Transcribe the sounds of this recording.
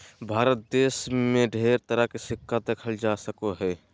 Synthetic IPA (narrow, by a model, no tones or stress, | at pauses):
bʱaːɾət̪̚d̪eːsmẽɖʱeːɾt̪əɾakisɪkːad̪ekʰəld͡ʒaːsəkoɦɛː